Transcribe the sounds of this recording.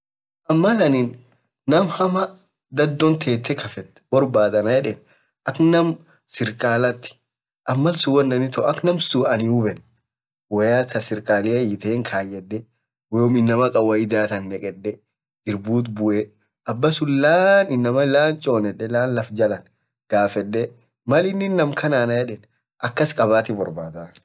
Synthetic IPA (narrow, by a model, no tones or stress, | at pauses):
ʔɐmːɐlɐnɪnː | ɐmhɐmɐ | d̪ɐd̪ːɔnt̪ʰeːt̪ːɛkʰɐfɛt̪ːbɔɾbaːd̪ɐnɐjɛᶑɛn | ʔɐknɐm | sɪɾkʼaːlɐt̪ːɪ̥ | ʔɐmːɐlsʊwɐnːɐnɪt̪ɔɐknɐmsuʔɐnɪʊbɛn | wɐjak̪ʰɐsɪɾkʼaːlɪɐjɪt̪eːŋkʰaːjɛdːɛ | weːʊmɪnːɐmɐkʼɐwɐɪd̪aːt̪ɐnːɛkʼɛɗːɛ | ɪɾbuːt̪̬bʊʔɛ | ʔɐbːɐsʊlaːnɪnːɐmɐlaːnt͡ʃʼo̞ːnɛᶑɛlaːnlɐfd͡ʒɐlɐn | ɡ̥aːfɛɗːɛ | mɐlɪnːɪnːɐmkʰɐnaːnɐjɛᶑɛn | ʔɐkːɐskʼɐβaːt̪ɪbɔɾbaːd̪a